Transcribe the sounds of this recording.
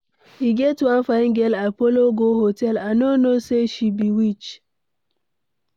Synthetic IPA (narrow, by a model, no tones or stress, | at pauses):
hiɡɛtwãnfaɪ̃ŋɡelapoloɡoɦotɛlanonoseʃibiwit͡ʃ